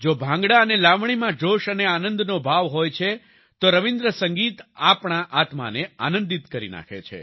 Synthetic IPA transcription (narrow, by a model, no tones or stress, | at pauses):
d͡ʒobʱãŋɡɽaənelaʋɳ̃imãd͡ʒoʃəneanənd̪nobʱaʋɦojt͡ʃʰe | t̪oɾəʋĩnd̪ɾəsə̃ŋɡit̪apɳ̃aʔat̪ma̰nea̰nə̃nd̪it̪kəɾḭna̰kʰḛt͡ʃʰḛ